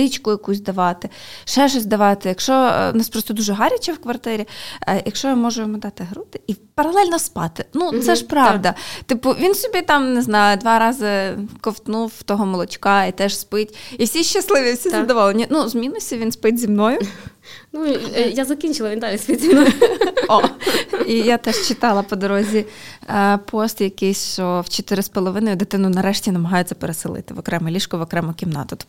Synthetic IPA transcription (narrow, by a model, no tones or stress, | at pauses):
ɪt͡ʃkʊjɐkusʲd̪ɐʋɑt̪ɪʃɛʒɔzʲd̪ɐʋɑt̪ɪjɐkʃɔʊ̰nɑspɾɔst̪ɔd̪uʒɛɦɑɾʲɐt͡ʃɛwkʋɐrt̪ɪɾʲijʔɐkʃɔjɐmɔʒʊjɔmʊd̪ɑt̪ɪɦɾut̪ɪipɐɾɐlˠɛlʲnɔspɑ̰t̪ɪnut̪sɛʃpɾɑd̪ɐt̪ɪpʊʋʲinsɔbʲit̪ɑmnɪznɑjʊd̪ʋɑɾɑzɪkɔwt̪nuwt̪ɔɦɔmɔlˠɔt͡ʃkɑit̪ɛʒspɪtʲiwsʲiʃt͡ʃɐslˠɪʋʲiwsʲizɐd̪ɔʋɔlˠenʲːinuzmʲinʊsʲiʋʲinspɪtʲzʲimnɔjʊ | nujazɐkʲinʲt͡ʃɪlˠɐʋʲind̪alʲispɪtʲzʲimnɔɔ | ijat̪ɛʃt͡ʃɪt̪ɑlˠɐpɔd̪ɔɾɔzʲiɐpʰɔst̪jɐkɪjsʲʃt͡ʃɔwt͡ʃet̪ɪɾɪspɔlˠɔʋɪnɔjʊd̪ɪt̪ɪnʊnɐɾɛʃtʲinɐmɐɦɑjʊt͡sʲːɐpeɾesɪlˠɪ̰t̪ɪʋɔkɾɛmɛlʲiʃkɔʋɔkɾɛmɛkʲimnɑ̰t̪ɔt̪